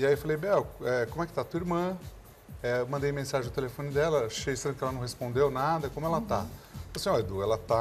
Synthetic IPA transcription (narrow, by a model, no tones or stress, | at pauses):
iaiewfalejbɛwɛkomʊɛkɪ̥t̪at̪uɐiɾmɐ̃ | ɛmɐ̃d̪ejmẽsaʒẽɐʊt̪elefõnɪd̪ɛlɐaʃejsẽnd̪ʊkɛlɐnɐ̃hespõnd̪ewnad̪ɐkõmʊɛlɐt̪a | sĩɔd̪uɛlɐt̪a